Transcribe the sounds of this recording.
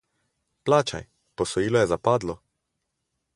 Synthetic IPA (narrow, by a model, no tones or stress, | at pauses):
plaːt͡ʃa̰j | pɔsɔjiːlɔjɛzapaːd̪lɔ